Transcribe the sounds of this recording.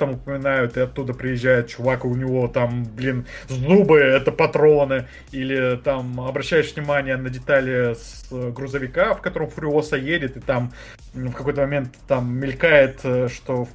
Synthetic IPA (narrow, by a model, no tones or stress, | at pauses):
t̪amʊpəmʲɪnajʊt̪ɨɐt̪ːud̪əpɾʲɪjɪʑːæjɪt̪̚t͡ɕʊvakʊʊnʲɪvo̞t̪amblʲinzubɨɛt̪əpɐt̪ɾo̞nɨ | ilʲɪt̪amɐbɾɐɕːæjɪʂvnʲɪmanʲɪjənədʲɪt̪alʲɪs | ɡɾʊzəvʲɪkafkɐt̪o̞ɾəmfɾʲʊosəjedʲɪt̪ɨt̪am | fkɐko̞jt̪əmɐmʲe̞nt̪ːamːʲɪlʲkajɪt̪ːʂt̪o̞